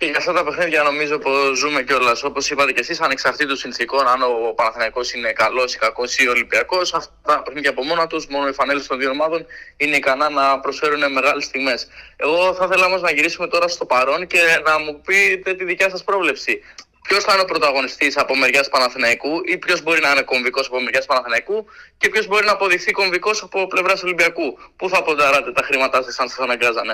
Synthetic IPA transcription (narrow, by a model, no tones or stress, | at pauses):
ceʝɐft̪ɐt̪ɐpe̞xniðʝɐno̞mizo̞po̞zume̞ceo̞lɐso̞po̞sipɐt̪e̞ce̞sisɐneksɐft̪it̪osinθiko̞nɐno̞pɐnɐθinɐiko̞sine̞kɐlo̞si̥kɐko̞sio̞libiɐko̞sɐft̪ɐt̪ɐpexniðʝɐːpo̞mo̞nɐt̪usmo̞no̞ifɐne̞list̪oðiomɐðo̞nine̞ikɐnɐnɐpɾosfe̞ɾune̞me̞ɣɐlest̪iɣme̞se̞ɣo̞θɐθe̞lɐomo̞znɐʝiɾisume̞t̪o̞ɾɐst̪o̞pɐɾo̞nce̞nɐmupit̪et̪iðicɐsɐspɾo̞vle̞psi | pço̞sθɐineo̞pɾo̞t̪ɐɣo̞nist̪isɐpo̞me̞ɾʝɐspɐnɐθinɐikuipço̞zbo̞ɾinɐine̞ko̞ɱviko̞sɐpo̞meɾʝɐspɐnɐθinɐikuce̞pço̞zbo̞ɾinɐːpo̞ðixθiko̞ɱviko̞sɐpo̞ple̞vɾɐso̞limbiɐkupuθɐpod̪ɐɾɐt̪e̞t̪ɐxɾimɐt̪ɐsɐsɐnsɐsɐnɐŋɡɐzɐne̞